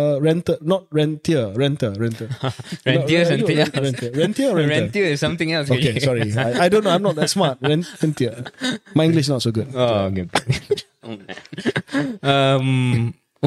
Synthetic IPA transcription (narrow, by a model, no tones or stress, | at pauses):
əɹɛ̃ntənɔt̚ɹɛ̃ntiəɹɛ̃ntəɹɛ̃ntəɹɛ̃iəsnɹɛ̃ntiəɹɛ̃ntiəɹɛ̃ɹɛ̃ntiəɪsãmt̪ɪ̃ŋɛlsokesɔɹiaajdõnːoãjmnɔt̚ðɛtsmat̚ɹɛ̃nɹɛ̃ntiəmajĩŋɡlɪʃnɔt̚soɡud̚oɡu | ʌm